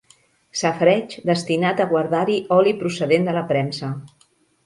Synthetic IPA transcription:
səfɾɛt͡ʃd̪əst̪inat̪əɣwaɾðaɾiʔɔlipɾusəðend̪ələpɾɛmsə

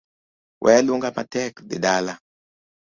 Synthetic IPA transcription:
wʔɛ̰luŋɡamatɛkdḛdala

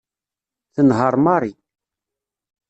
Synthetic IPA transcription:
θənɦəɾˤmɑɾˤi

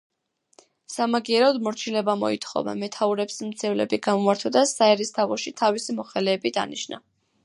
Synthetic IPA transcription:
samaɡiɛɾɔd̪mɔɾt͡ʃʰilɛbamɔ̰it̪ʰχɔ̰va̰mɛt̪ʰauɾɛpsmt̪sʰɛvlɛ̰biɡamɔaɾt̪ʰɔd̪asaɛɾist̪ʰavɔʃit̪ʰavisimɔχɛlɛːbid̪a̰niʃna̰

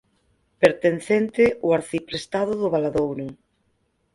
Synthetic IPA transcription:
peɾt̪enθent̪ɪʊaɾθipɾest̪aðʊðʊβalaðowɾʊ

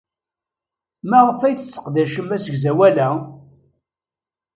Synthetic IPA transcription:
mæʁəfæjθət͡sːə̥qd̪æʃəmæsəɡzæwælæ

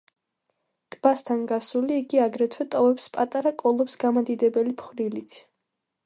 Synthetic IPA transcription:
t̪ʼbast̪ʰanɡasuliːɡiaɡɾɛt̪ʰwɛt̪ʼɔvɛpspʼat̪ʼaɾakʼɔlˠɔpsɡamad̪id̪ɛbɛlipʰχɾilit̪ʰ

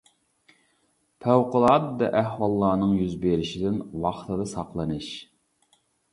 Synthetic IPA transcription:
pʰɛwqʊlˠɑd̪d̪ɛʔæhwɑlˠːɑːnɨŋjyzbeɾɪʃɪd̪ɪnwɑχt̪ʰɨd̪ɨsɑqlˠɑnɨʃ

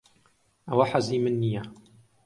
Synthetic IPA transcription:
ʔawaħaziːmɪnːija

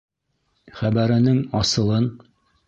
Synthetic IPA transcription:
χæβæɾɘ̆nɘŋɒsɤ̆lˠɤn

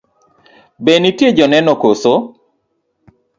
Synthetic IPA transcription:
benitjed͡ʒɔnɛnɔkoso

